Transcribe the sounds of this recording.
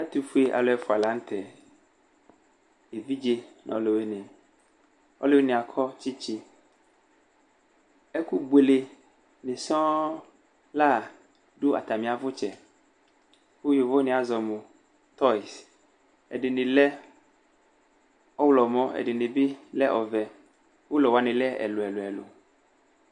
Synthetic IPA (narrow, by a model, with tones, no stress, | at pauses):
a˦t̪u˨fu˦e˦ʔa̰˨lo˨ɛ˨˦fʊ˨a˨la˦ŋ̩˦t̪ʰɛ˨ | e˨vi˦d͡ʒe˦nɔ̰̃˨lo˨we˦nẽ˨ | ɔ̰˦lo˦e˦nĩ˨a˨kʰɔ˦t͡ʃi˦t͡ʃi˦ | e˦ku˦ɡ͡be˨le˨ | nĩ˨sɔ̃˦ | la˦˨ | ɖu˦a̰˨t̪a˨mĩ˨a˨vo˦t͡ʃɛ˨ | wu˦ji˨vo˦nẽ˨a˨zɔ˨mũ˨ | t̪ɔ˦i˨s | ḛ˨ɖe˨nĩ˨lɛ˦ | ɔ˦wlɔ˨mɔ̃˦ḛ˨ɖi˨nẽ˨bi˦lɛ˦ʔɔ˨vɛ˨ | wo˦lɔ˨wa˨nẽ˨lɛ˦ɛ̰˨lo˨ɛ˨lo˨ɛ˨lo̰˨